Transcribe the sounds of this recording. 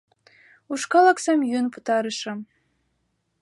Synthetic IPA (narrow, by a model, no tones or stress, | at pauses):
uʃkɑlɑksɑmjynput̪ɑɾɤ̆ʃɤ̆